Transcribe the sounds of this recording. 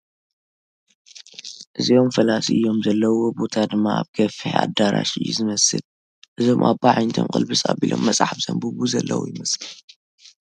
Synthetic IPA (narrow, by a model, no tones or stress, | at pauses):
ʔɨzio̞mfɐlasiʔɨjːo̞mzɐlːɐwo̞bo̞t̪ʰad̪ɨmːaa̰βkʰɐfiħa̰d̪aɾa̰ʃɨjːuzɨmɐsɨl | ʔɨzo̞mʔaβbaʕajnt̪ʰo̰nkʼɨlbɨsʼabilʔo̞̰mːɐt͡sʼaħafz̥ɐmbuβuzɐlːɐ̰wujɪmɐsɨl